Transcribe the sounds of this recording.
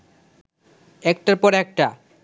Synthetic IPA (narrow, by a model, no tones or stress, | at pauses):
ɛk̚ʈaɾpɔɾɛk̚ʈa